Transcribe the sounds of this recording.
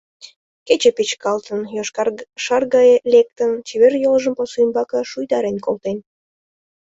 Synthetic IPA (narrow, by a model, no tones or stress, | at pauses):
ket͡ɕepet͡ɕkɑlt̪ənjoʃɑrɣɑjelʲek̚t̪ənt͡ɕeβerjolʒəmposuimbɑkə̆ʃujd̪ɑɾenʲkolˠt̪en